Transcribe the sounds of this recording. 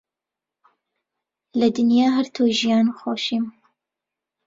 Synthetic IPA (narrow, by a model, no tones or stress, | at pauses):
lɐd̪ɨnjaːɦɐɾt̪ʰoʒijɑːnxoːʃiːm